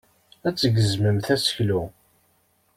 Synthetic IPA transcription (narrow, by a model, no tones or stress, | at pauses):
æt͡sːəɡəzməmθæsə̥çlu